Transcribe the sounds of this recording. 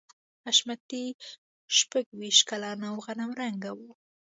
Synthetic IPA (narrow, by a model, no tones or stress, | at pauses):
aʃmat̪i | ʃpaɡwiʃt̪kalɑnawɣanamɾaŋɡawu